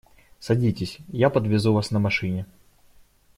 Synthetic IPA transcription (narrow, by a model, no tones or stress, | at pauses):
sɐdʲitʲɪsʲjapəd̪vʲɪzuvasnəmɐʂɨnʲɪ